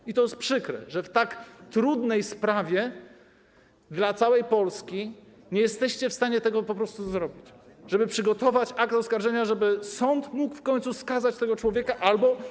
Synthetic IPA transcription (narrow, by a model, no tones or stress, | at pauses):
it̪ɔjɛst̪pʂɘkɾɛ̰ʐɛft̪akt̪ɾud̪nɛjspɾavʲjɛ | d̪lat̪sawɛjpɔlskʲi | ɲɛjɛst̪ɛɕt͡ɕɛfst̪aɲɛt̪ɛɡɔpɔpɾɔst̪uzɾɔbʲit͡ɕʐɛbɘpʂɘɡɔt̪ɔvat͡ɕak̚t̪ɔskaɾʐɛɲaʐɛbɘsɔnt̪mukfkɔɲ̃t̪suskazat͡ɕt̪ɛɡɔt͡ʂwɔvʲjɛkaʔalbɔ